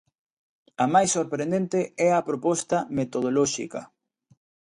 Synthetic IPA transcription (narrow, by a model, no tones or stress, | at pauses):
ɐmajsːoɾpɾẽnd̪ent̪eɛɐpɾopɔst̪ɐmet̪oð̞olɔʃḭkɐ